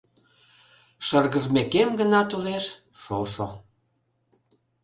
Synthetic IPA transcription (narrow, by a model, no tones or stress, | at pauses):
ʃərɣəʒmekemɡənɑt̪uleʃʃoʃo